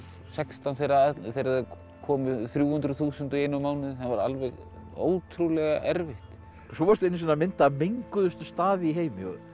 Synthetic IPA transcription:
sɛkst̪anθejɾaθejɾaðɛ | kʰɔːmɪθɾjuːhʏnt̪ɾʏθuːsʏnt̪ʏejnʏmaːwnɪðhanvaɾa̰lvɛɣ | o̰ːwt̪ʰɾulɛɣaʔɛɾvɪht̪ | ksɔvaɾst̪ɪnːs̬inamɪnt̪ameŋkʏðʏst̪ʏst̪aːðɪiɦeːjmɪɔ̰ɣ

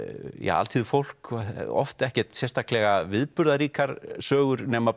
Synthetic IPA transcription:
ja̰ːa̰lt̪ʰiðʏfowl̥kɔ̰ft̪ɛhcɛɾ̥t̪sɛ̥st̪ʰahklɛɣavɪðpʏɾðaɾiːkaɾ̥sœːɣʏɾnɛːma

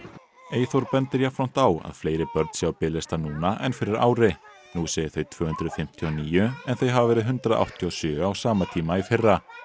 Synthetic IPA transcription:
eːjθowɾpɛnt̪ɪɾjafɾam̥t̪awa̰ðfleːjɾɪpœɾt̪sjaːwpɪːlɪst̪anuːnaʔɛ̰nfɪɾɪɾa̰ːwɾɪ | nuseːjɪ̥θejt̪ʰv̥œːhʏnt̪ɾʏfɪm̥t̪ʰjɔniːjʏɛnθejɦavavɛːɾɪðɦʏnt̪ɾaðʔa̰wht̪ʰjɔsjœːawsaːmat̪ʰiːmaifɪrːa

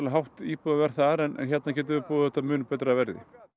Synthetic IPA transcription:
laɦawht̪iːpʏðavɛɾ̥θaɾɛnʔɛ̰nçjɛt̪nacɛːt̪̬ɪvɪpuːðaθɛht̪ːamʏːnpɛːt̪ɾaavɛɾðɪ̰

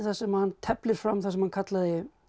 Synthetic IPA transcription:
θḁsɛmhanːt̪ʰɛplɪɾ̥fɾamːθasɛmhankʰat̪laðɪ

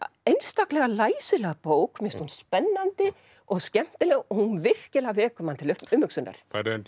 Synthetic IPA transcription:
ejnst̪aklɛɣalaːjsɪlɛɣpoːwkmɪnst̪hunspɛnːant̪ɪ | ɔɣscɛm̥t̪ɪlɛɣɔhunvɪr̥cɪlavɛːkʏmant̪ʰɪlʏʏmːhʏksʏnːa̰ɾ̥aɾn

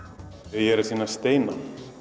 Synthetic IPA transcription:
ɛðjɛɾʏɾ̥siːnast̪eːjna

